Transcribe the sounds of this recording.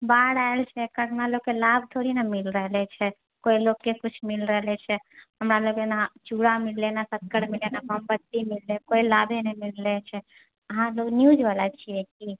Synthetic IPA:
baɽaelt͡ʃʰɛkəʈnaloɡkːelab̚ʱt̪ʰoɾinamilɾəɦlɛt͡ʃʰɛ | koilokːekut͡ʃʰmilɾəɦlɛt͡ʃʰɛ | ɦəmɾalokenat͡ʃuɽamilːenasət̪̚kəɽmilenaməmbət̪ːimilːekoilabʱenɛmilːɛt͡ʃʰɛ | əɦãloɡnjud͡ʒʋalat͡ʃʰiɛki

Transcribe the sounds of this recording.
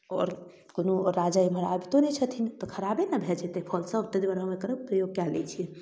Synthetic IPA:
ɔ̰ːɾ | konoɾːad͡ʒaiməɾabʱit̪onɛt͡ʃʰət̪ʰint̪ɔkʰəɾabenəbʱed͡ʒet̪epʰɔlsə̃t̪əd̪bəɾɦəmekəɾəbpɾəjoɡ̚kalḛt͡ʃʰi

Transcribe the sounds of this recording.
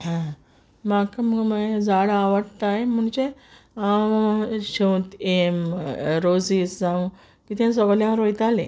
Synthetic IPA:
ɦã | makaməɡmad͡zaɽaʋəɽt̪ajm̤uɳd͡ʑe | awɕewt̪emɾod͡ziːsd͡zãw̃ | kit̪ʰẽs̬ɔɡljãɾojt̪alḛ̃

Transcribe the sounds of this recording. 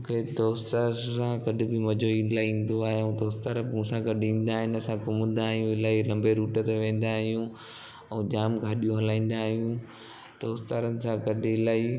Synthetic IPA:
mʊkʰed̪oːst̪aɾsãɡɐɗʱɪ̆bɪmɐd͡ʑoĩːlaːĩːn̆d̪oaːɦẽd̪oːst̪aɾəpũːsãɡɐɗĩːn̆d̪aːɦɪnɪ̆ɐsãkʊmə̃n̆d̪aːɦijũɪlaːɦilɐ̃mbeɾuːʈət̪eʋẽːn̆d̪aːɦijũ | ɛ̃ʄaːmɡʱɐɗijõɦɐlãːĩːn̆d̪aːɦijũ | d̪̥oːst̪aːɾənɪ̆sãɡɐɗʱɪɪlaːi

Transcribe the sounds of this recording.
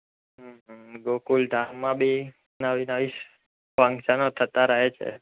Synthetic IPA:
ɦɡokuld̪ʱamːãbʱi | naʋinaʋiʃ | fə̃ŋʃənot̪ʰət̪aɾəɦet͡ʃʰḛ

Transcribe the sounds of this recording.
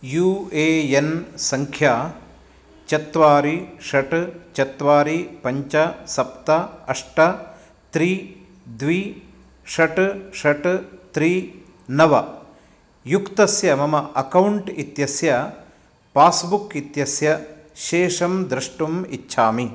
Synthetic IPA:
juːeːensɐŋkʰjaː | t͡ʃɐt̪ʋaːɾiʂɐʈt͡ʃɐt̪ʋaːɾipɐɲt͡ʃɐsɐpt̪ɐɐʂʈɐ | t̪ɾiː | d̪ʋiː | ʂɐʈʂɐʈt̪ɾiː | nɐʋɐ | jukt̪ɐsjɐmɐmɐʔɐkɐwɳʈit̪jɐsjɐ | paːsbukit̪jɐsjɐʃeːʂɐmd̪ɾɐʂʈumitːʃʰaːmi

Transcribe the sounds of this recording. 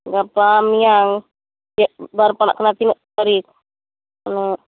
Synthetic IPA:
ɡapamiaŋ | aʔbaɾpana̰ʔkənat̪inəʔ | aɾik̚ | ano

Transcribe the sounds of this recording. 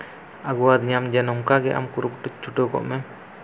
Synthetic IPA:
aɡuwad̪iɲamd͡ʒɛnɔŋkaɡɛʔa̰mkuɾupʈut͡ʃuʈokɔ̰ʔmɛ

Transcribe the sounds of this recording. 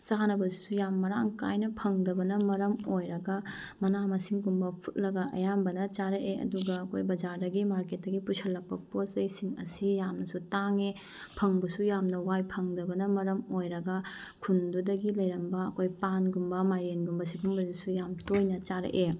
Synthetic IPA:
saɦanɐbɐzi̥sujamːɐɾaŋka̰jnɐpʰɐŋdɐbɐnɐmɐɾɐmojɾɐɡɐ | mɐnamɐsiŋɡumbɐpʰut̚lɐɡɐʔɐ̰jambɐnɐt͡ʃaɾɐʔeɐ̰duɡɐːkʰojbɐd͡ʒaɾdɐɡimaɾket̚dɐɡipusʰɐlːɐk̚pɐposɐjsiŋɐ̰sijamnɐsutaŋe | pʰɐŋbɐsujamnɐwajpʰɐŋdɐbɐnɐmɐɾɐmojɾɐɡɐkʰundudɐɡilɐjɾɐmbɐːkʰojpanɡumbɐmajɾenɡumbɐsibumbɐzisujamtojnɐt͡ʃaɾɐ̰ʔe

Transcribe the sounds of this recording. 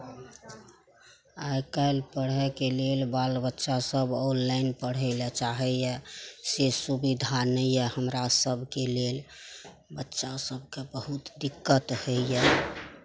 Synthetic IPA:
ajkajlpəɽɦɛkelelbalbətːʃasəbɔ̃nlaɪnpəɽ̤əɪlɛt͡ʃaɦɛjɛsesubid̪ʱanəijɛhəmɾasəbʱkelel | bətːʃasəb̚ʱkebəɦut̪d̪ikːət̪həɛ

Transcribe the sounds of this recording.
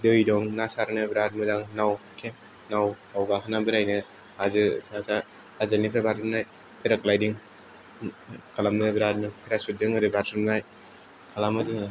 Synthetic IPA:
dɯjdɔŋnasaɾnɯbɾat̚mɯdaŋnawkʰe | naw | awɡakʰanambɯɾajnɯ | azɯsasa | azanipʰɾabatɯmnaj | pʰeɾaklajdiŋ | kʰalamnɯbɾat̚nɯpʰiɾasut̚zɯŋɯɾɯbaɾtɾɯmnaj | kʰalamɯzɯŋ

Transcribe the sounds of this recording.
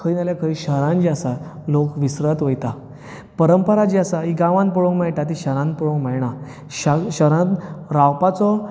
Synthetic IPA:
kʰəinaljakʰəiɕəɾãnd͡ʑiasalokʋisɾət̪ʋəjt̪a | pəɾəmpəɾad͡ʑiasaiɡãʋãnpɔɭõŋmɛɭʈ̪at̪iɕəɾãn̚pɔɭõŋkmɛɭɳa | ɕaɕəɾãnɾawpat͡sɔ

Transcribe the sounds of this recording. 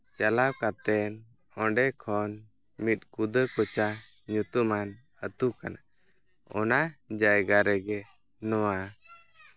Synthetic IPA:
t͡ʃalaw̚kat̪ɛn | ɔɳɖɛkʰɔn | mit̪̚ˀkud̪əkɔt͡ʃa | ɲut̪uman | ət̪ukana | ɔ̰nad͡ʒajɡaɾɛɡɛ | nɔwa

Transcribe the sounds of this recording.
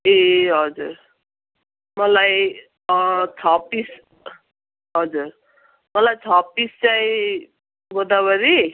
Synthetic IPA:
eɦʌd͡zuɾ | mʌlaj | t͡sʰapis | ɦʌd͡zuɾ | mʌlajt͡sʰapːist͡saĩ | bod̪abʌɾi

